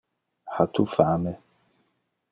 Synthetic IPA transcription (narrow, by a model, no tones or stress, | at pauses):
hat̪ʰufamɛ